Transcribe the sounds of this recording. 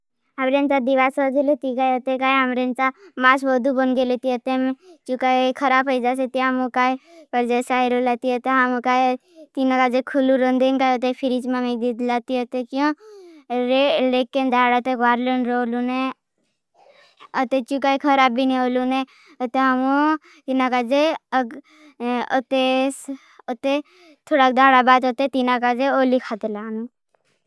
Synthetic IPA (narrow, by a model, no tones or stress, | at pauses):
ɦɐmɾent͡ʃad̪iʋasəd͡ʒelut̪ikajət̪ekaːjɦɐmɾent͡ʃamasbɔd̪ubɔnɡelet̪iət̪emet͡ʃukakʰəɾaːbəjd͡ʒas̬et̪iamukaːepəɾd͡ʒesaiɾolat̪iət̪eɦamukaj | t̪inakad͡ʒekʰuluɾənd̪enkaːjət̪̬epʰiɾit͡ʃmamik̚d̪id̪lat̪iət̪ekjõ | ɾelekind̪ʱaːɽat̪eʋaɾlənɾoːlune | ət̪et͡ʃukajkʰəɾabiniolune | ot̪eɦamũ | t̪inakad͡ʒeəɡ | ɔt̪e | ot̪e | t̪ʰoɽak̚d̪ʱaːɽabaːd̪ot̪et̪inakad͡ʒeolikʰat̪elaːnu